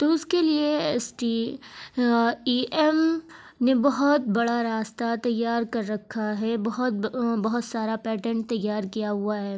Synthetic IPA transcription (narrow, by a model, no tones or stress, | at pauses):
t̪oʊskelieɛsʈi | iːʔɛm | nebɐɦɔt̪̚bɐɽaɾaːst̪at̪ɐjːaːɾkɐɾːɐkʰːaɦɛːbɐɦɔt̪̚bɐɦʊt̪saːɾapɛːʈə̃ɳʈ̚t̪ɐjːaːɾkijaɦʊaɦɛː